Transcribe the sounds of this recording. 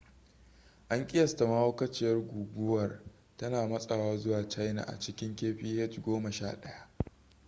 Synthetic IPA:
ʔa˦ŋkʲʼɪ˦jɐ˨sta˨mɐ˦ha˦kɐ˦t͡ʃɪ˦jɐ˦rɡʷuː˨ɡʷʊ˦wɐ˨r | tɐ˦naː˨mɐ˦sʼɐ˨waː˦zʊ˦waː˨t͡ʃa˦jna̰˨ʔa̰˨t͡ʃɪ˦kʲɪ˦ŋkʲeː˦ɸiː˦hɛ˦tɡʷoː˦mɐ˨ʃa̰ː˦ɗɐ˦ja˦ʔ

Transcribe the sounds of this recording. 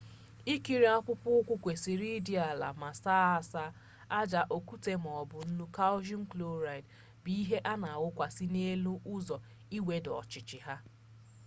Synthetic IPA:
i˦ki˨ɾi˨˦a˦kʷʊ˦pʊ˦kʷʊ˦kʷe˨si˨ɾi˦di˦a˨la̰˨ma˨saː˦a˨sa˦ | a˦d͡ʒa˨ʔo˨ku˦te˦m˨ɔ˨bʊ˨n̩˦nu˦ka˦ʊ˦ʒi˦ŋ̩˦klo˦ɾa˨i˨d | bi˦i˦ɦe˦ʔa˦na˨a˨wʊ˦kʷa˨si˦ne˦lu˦ʔʊ˦zɔ˨ | i˦we˦dɔ˨t͡ʃɪ˨t͡ʃɪ˨ɦa˦

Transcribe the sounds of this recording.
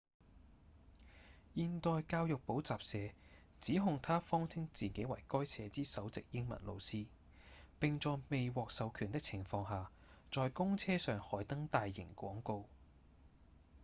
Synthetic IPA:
jiː˨nt̪ɔː˨˧jkaː˧wjʊ˨k̚po˨˥wt͡saː˨p̚sɛː˨˧ | t͡siː˨˥ɦʊ˨ŋt̪ʰaː˥fɔː˥ŋt͡sʰɪ˥ŋt͡siː˨ke˨˥jwɐ̰˨˩jkɔː˥jsʰɛː˨˧t͡siː˥sɐ˨˥wt͡sɪ˨k̚jɪ˥ŋmɐ̰˨˩nlo̰˧wsiː˥ | pɪ˨ŋt͡sɔː˨˧jme˨jwɔː˨k̚sɐ˨˧wkʰyː˨˩nt̪ɪ˥k̚t͡sʰɪ˨˩ŋfɔː˧ŋɦaː˨˩ | t͡ʃɔː˨jkʊ˥ŋt͡sʰɛː˥sœː˨ŋhɔː˨˥jt̪ɐ˥ŋt̪aː˨jːɪ̰˨˩ŋkʷɔ̰ː˨˥ŋko˨˧w

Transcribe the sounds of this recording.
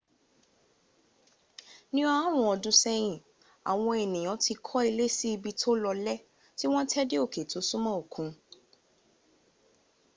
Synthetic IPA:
nĩ˦a˦ɾ̃ũ˧˦ɔ˧dũ˧˦sɛ˦j̃ĩ˦˨ | a̰˨w̃ɔ̃˧e˨nĩ˨j̃ɔ̃˨˦ti˧kʰɔ˦i˧le˦si˦i˧bi˧tʰo˦lɔ˧lɛ˦ | ti˦w̃ɔ̃˦tʰɛ˦de˦o˦˨ke˨tu˨˦su˦mã˦o˨kʰũ˨˧

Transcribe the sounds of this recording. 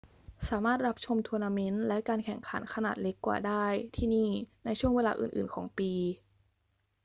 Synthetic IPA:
saː˩˦maː˥˩t̪̚ɾa˦˥p̚t͡ɕʰo˧mt̪ʰu˧naː˧me˦˥nlɛ˦˥kaː˧nkʰɛ˨˩ŋkʰa˩˦˥nkʰa˧naː˨˩t̪̚le˦˥kːwa̰ː˨˩daː˥˩jt̪ʰiː˥˩niː˥˩na˧jt͡ɕʰu˥˩əŋweː˧laː˧ʔɯ̰ː˨˩nʔɯ̰ː˨˩nkʰɔː˩˦ŋpiː˧

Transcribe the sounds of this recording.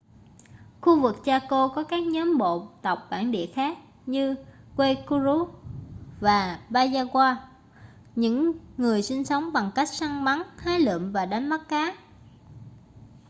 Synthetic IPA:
xu˧vɨ˨˩k̚t͡ɕaː˧ko˧kɔ˨˦kaː˦˥k̚ɲɔ˨˦mɓo̰˧˨t̪ə˨˩wk͡p̚ɓa̰ː˧˩nɗḭ˧˨əxaː˦˥k̚ | ɲɨ˧ | kwe˧ku˧zu˧˦ | vaː˨˩ɓaː˧zaː˧kwaː˧ | ɲɨ̰˧˥ŋːɨ˨˩əjsï˧ŋ̟sə˨˦wŋ͡mɓa˨˩ŋka˦˥jk̚sa˧ŋɓa˨˦nhaː˨˦jlɨ̰˧˨mvaː˨˩ɗa˨˦jŋma˦˥t̚kaː˨˦

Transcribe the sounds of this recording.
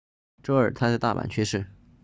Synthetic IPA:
ʈ͡ʂʊə˞˨˩t̪ʰa˥t͡sɪt̪a̰˥˩pa̰˨˩nt͡ɕʰɥɛ˥ʂɻ̩˥˩

